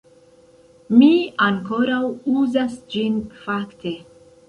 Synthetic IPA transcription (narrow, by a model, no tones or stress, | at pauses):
miaŋko̞ɾawuzasd͡ʒinfakte̞